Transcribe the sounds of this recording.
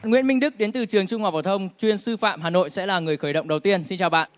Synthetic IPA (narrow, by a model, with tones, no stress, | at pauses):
nŋwḭ˧˥ənmï˧ŋ̟ɗɨ˦˥k̚ɗe˨˦nt̪ɨ˨˩t͡ɕɨ˨˩əŋt͡ɕʊ˧ŋ͡mhaː˨˩fa˧˩wt̪ʰə˧wŋ͡mt͡ɕwi˧ənsɨ˧fa̰ː˧˨mɦaː˨˩no̰˧˨jsɛ̰˧˥laː˨˩ŋɨ˨˩əjxəː˧˩jɗə̰˧˨wŋ͡mɗə˨˩wt̪i˧ənsi˧nt͡ɕaː˨˩wɓa̰ː˧˨n